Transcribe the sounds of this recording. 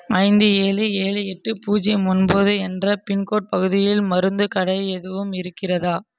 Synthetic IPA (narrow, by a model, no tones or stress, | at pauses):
ɐɪnd̪ɯeːlieːliɛʈːɯpuːd͡ʒɛmʊnboːðɯɛndrɐpɪɳkoːʈ̚pɐɣɯðɪjɪlmɐɾɯnd̪ɯkɐɽɐjɛðɯʋɯmɪɾɯkːɪrɐðaː